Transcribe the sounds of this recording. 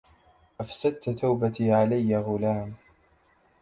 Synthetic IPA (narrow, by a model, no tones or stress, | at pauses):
ʔafsad̪̚t̪t̪awbat̪iːʕalajːaɣʊlaːm